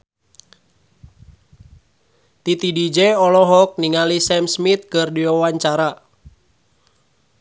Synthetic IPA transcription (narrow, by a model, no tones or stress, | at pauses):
t̪it̪idid͡ʒɛɔlɔɦɔk̚niŋalisɛmsmit̪̚kɨrdiwawaɲt͡ʃaɾa